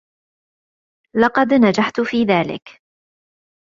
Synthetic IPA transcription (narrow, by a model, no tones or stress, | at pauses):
lɑqɑd̪nad͡ʒaħt̪ʊfiːðaːlɪ̰k